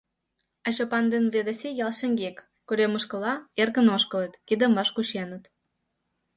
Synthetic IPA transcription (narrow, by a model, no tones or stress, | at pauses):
ɑɕopɑnd̪enβed̪esʲejɑlˠʃĕŋɡekːuɾʲeməʃkə̆lɑerɣə̆noʃkə̆lət̪kid̪ə̆mɑʃkuɕenət̪